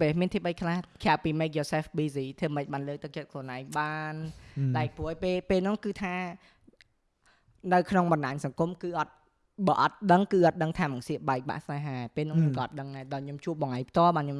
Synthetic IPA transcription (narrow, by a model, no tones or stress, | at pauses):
peːmiənt̪ʰiːɓəjkʰlahkʰjapiːmeːk̚joːsɛːfɓiːsiːt̪ʰəːməc̚ɓaːnləːk̚t̪ɨk̚t͡ɕət̪̚konaɛŋɓaːnɗaɛk̚puəhəpeːpeːlnʊ̆ŋkɨːt̪ʰaː | nɨwkʰnoŋɓɑnɗaːŋsɑŋkumkɨːʔɑt̪̚ | ɓɑːʔɑt̪̚ɗəŋkɨːʔɑt̪̚ɗəŋt̪ʰaːmɨŋsiəɓaɛk̚ɓa̰ʔsnaɦaɛpeːlnʊ̆ŋɲomkɑʔɑt̪̚ɗəŋnaɛɗaɔjɲomt͡ɕuəp̚ɓɑŋajpʰt̪ŏəlɓaːnɲom